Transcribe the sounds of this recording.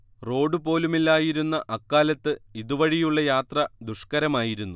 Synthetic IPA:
ro̞ːɖupo̞ːlumilːaːjiɾunːɐʔɐkːaːlɐt̪ːɨiðuʋɐɻijuɭːɐjaːt̪rɐd̪uʂkɐɾɐmaːjiɾunːu

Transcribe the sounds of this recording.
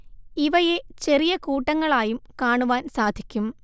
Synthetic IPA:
iʋɐje̞t͡ɕe̞rijɐkuːʈːɐŋːɐɭaːjumkaːɳuʋaːnsaːd̪ʱikʲːum

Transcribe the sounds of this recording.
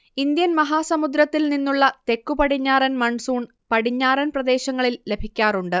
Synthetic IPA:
ind̪jɐnmɐɦaːsɐmud̪ɾɐt̪ːilninːuɭːɐt̪e̞kːupɐɽiɲːaːɾɐnmɐɳsuːɳ | pɐɽiɲːaːɾɐnprɐd̪e̞ːɕɐŋːɐɭille̞bʱikʲːaːɾuɳɖɨ

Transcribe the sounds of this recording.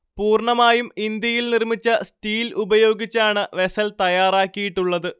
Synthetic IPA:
puːrɳɐmaːjumind̪jɐjilnirmit͡ɕːɐsʈiːlubɐjo̞ːɡit͡ɕːaːɳɨʋe̞sɐlt̪ɐjaːraːkːijiʈːuɭːɐðɨ

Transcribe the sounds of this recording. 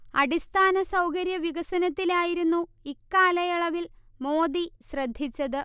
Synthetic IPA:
ɐɽist̪ʰaːnɐsɐwkɐɾjɐʋiɣɐsɐnɐt̪ːilaːjiɾunːuikːaːlɐjɐɭɐʋilmo̞ːd̪iɕrɐd̪ʱːit͡ɕːɐðɨ

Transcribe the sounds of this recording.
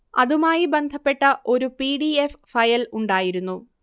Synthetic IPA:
ɐ̰ðumaːjibe̞nd̪ʱɐpːe̞ʈːɐʔo̞ɾupiːɽieffɐjɐluɳɖaːjiɾunːu

